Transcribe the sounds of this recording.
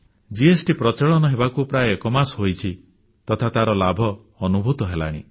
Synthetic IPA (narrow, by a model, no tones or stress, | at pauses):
d͡ʒiesʈipɾɔt͡ʃeɭɔnɔɦebakupɾajekɔmasɦojt͡ʃʰi | t̪ɔt̪ʰat̪aɾɔlabʱɔː | nubʱut̪ɔɦela̰ɽ̃ḭ